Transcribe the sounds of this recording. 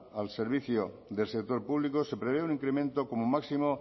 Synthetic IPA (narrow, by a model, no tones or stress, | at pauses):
alseɾβ̞iθjo | ðe̞lsek̚t̪oɾpuβ̞likose̞pɾeβ̞eunĩŋkɾemẽnt̪okomomaksimo